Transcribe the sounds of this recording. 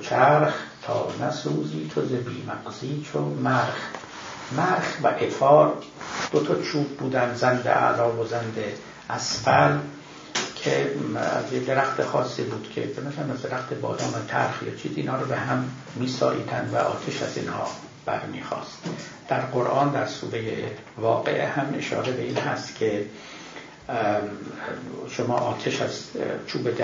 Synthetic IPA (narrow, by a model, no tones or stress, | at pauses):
t͡ʃʰæɾxt̪ʰɒːnæsuːziːt̪ʰozebiːmæɡziːt͡ʃʰomæɾx | mæɾχvæʔefɒːɾ | d̪̥ot̪ʰɒːt͡ʃʰuːb̚buːd̪ænd̪zænd̪ḛʔæ̰lɒːvozænd̪e | ʔæsfæl | kʰeæ̰zjed̪e̞ɾæxt̪ʰexɒːsːiːbuːd̪̥kʰe̞̰benæzæɾæmæzd̪eɾæxt̪ʰebɒ̰ːd̪ɒːnot̪ʰæ̰ɾxjɒ̰ːt͡ʃʰiːziiːnhɒːɾɔbehæmː | iːsɒ̰ːʔḭːd̪ænd̪væ̰ʔɒ̰ːt̪ʰeʃæzḭːnhɒ̰ː | b̥æ̰ɾmiːxɒ̰ːst̪d̪̥æɾqoɾʔɒːnd̪æɾsṵːɾejḛ | vɒːɣe̞̰ʔehæme̞̰ʃɒ̰ːɾebe̞iːnhæ̰st̪kʲʰe | ʃomɒːʔɒːt̪ʰeʃæzt͡ʃʰuːbed̪